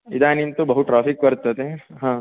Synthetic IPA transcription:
id̪aːnint̪ubɐɦut̪ʈːɾaːpikkɐɾt̪ɐt̪eɦãː

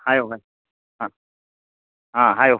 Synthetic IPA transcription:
hajoɦaj | ɦã | ɦãɦajo

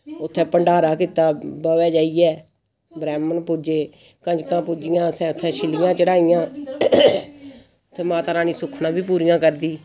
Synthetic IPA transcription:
ʊt̪ʰːɛ̃ːpəɳɖaːɾaːkiːt̪aːbɔːʋɛːd͡ʒaːiːjɛː | bɾɛːmənpʊd͡ʒeː | kə̃d͡ʒkãːpʊːd͡ʒɪjãːsɛ̃ːʊt̪ʰːɛ̃ːʃʰɪlɪjãːt͡ʃəɽaːɪjãː | t̪ʰːẽːmaːt̪aːɾaːnĩːsʊkʰnãːbʱiːpuːɾijãːkəɾd̪iː

